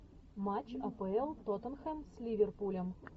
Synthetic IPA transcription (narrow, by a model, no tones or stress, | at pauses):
mat͡ɕɐpəɛlˠt̪ot̪ə̆nxemsʲlʲivʲerpulʲəm